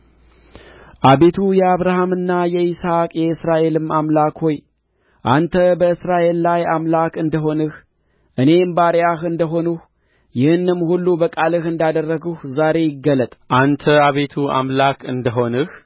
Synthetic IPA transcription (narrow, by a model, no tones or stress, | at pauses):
ʔaβe̞t̪ʰujɛaβɾahamɨnːajɛisakʼjɛɨsɾaʔe̞lɨmamlakho̞j | ʔant̪ʰəbəɨsɾaʔe̞lːajamlakɨnd̪əɦo̞nɨh | ʔɨne̞mbaɾjahɨnd̪əɦo̞nuh | jɪhɨnːɨmhulːubəkʼalɨhɨnd̪ad̪ərːəɡuhzaɾe̞jɪɡːələt̪ʼʔant̪ʰəaβe̞t̪ʰua̰mlakʰɨ̰nd̪əɦo̞nɨh